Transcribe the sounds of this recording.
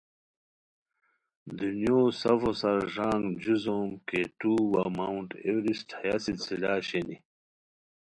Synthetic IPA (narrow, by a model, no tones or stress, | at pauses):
d̪unjoːsɐvosɐɾʐaːŋɡd͡ʑuzoːmket̪uːwamauɳʈewɾist̪ʰɐjasilt͡silaːɕeni